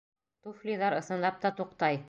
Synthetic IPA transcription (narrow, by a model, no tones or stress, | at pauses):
t̪uflʲiðɑɾɤ̆sɤ̆nlˠɑp̚t̪ɑt̪uqt̪ɑj